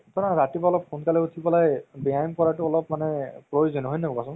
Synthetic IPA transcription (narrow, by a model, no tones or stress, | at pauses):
tɔnaɹatibaɔlɔppʰonkalɛutʰibɔlajbiajmkɔɹatʊɔlɔp̚manɛpɹojuzɔnɦɔjnɔbɔkasʊ̃n